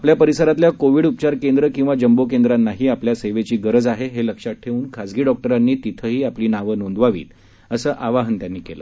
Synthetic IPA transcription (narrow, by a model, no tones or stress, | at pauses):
apljapəɾisəɾat̪ljakoʋiːɽup̚t͡ɕaɾkend̪ɾəkĩw̃ʋad͡ʑəmbokend̪ɾanːaɦiːapljaseʋet͡ɕiːɡəɾəd͡zaɦeɦeləkʂat̚ʈʰeuːnkʰad͡zɡiːɖɔk̚ʈəɾanːiːt̪it̪ʰəɦiːapliːnaʋənond̪ʋaʋḭːt̪ | əsəːʔaʋaɦənt̪janːiːkelə̰